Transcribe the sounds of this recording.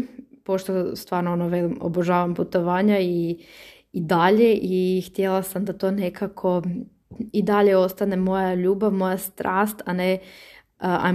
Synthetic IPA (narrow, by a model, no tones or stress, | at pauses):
po̞ʃt̪ost̪ʋaːɾnoonoʋelio̰boʒaːʋamput̪o̞ʋaːɲaiː | d̪aʎe̞ʔixt̪jelˠasamd̪at̪o̞ːne̞kʰakʰo̞ | id̪aʎe̞o̞st̪ane̞mo̞jaʎuːbaʋmo̞jast̪ɾʔaːst̪ane | a̰